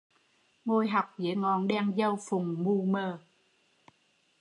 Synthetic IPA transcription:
ŋo˧jɦa˨˩wk͡p̚zə̰˧˨˦ŋɔ˨˩nɗaː˧ŋzə˧wfʊ˨˩ŋ͡mmu˧məː˧˩

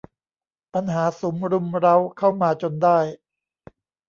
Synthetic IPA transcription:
pa˧nɦaː˩˦so˩˦mɾu˧mɾa˦˥wkʰa˥˩wmaː˧t͡ɕo˧ndaː˥˩j

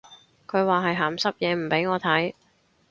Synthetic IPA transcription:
kʰɵ˨˧ɥwaː˨ɦɐ˨jɦaː˨˩msɐ˥p̚jɛː˨˧m̩˨˩pe˨˥jŋɔː˨˧t̪ʰɐ˨˥j

